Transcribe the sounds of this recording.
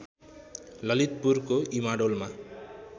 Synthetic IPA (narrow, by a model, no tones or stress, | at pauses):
lʌlit̪̚purkoimaɖolma